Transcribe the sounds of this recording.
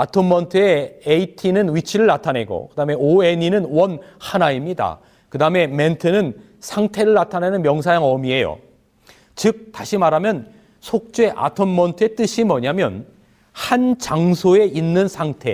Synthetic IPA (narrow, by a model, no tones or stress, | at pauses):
atʰomːʌntʰɯe̞ːitʰinɯnwit͡ɕʰiɾɯɭːatʰane̞ɡo̰kɯdame̞oeɲinɯnwʌnhanaimɲida̰ | kɯdame̞me̞ntʰɯnɯn | sʰaŋtʰe̞ɾɯɭːatʰanenɯnmjʌŋs̬ʰajaŋʌmie̞jo̰ | t͡ɕɯk̚taɕʰimaɾamjʌn | sʰok̚t͡ɕ͈e̞ʔa̰tʰommʌntʰɯe̞t͈ɯɕʰimʌɲamjʌn | hant͡ɕaŋsʰoe̞ʔinːɯnsʰaŋtʰe̞̰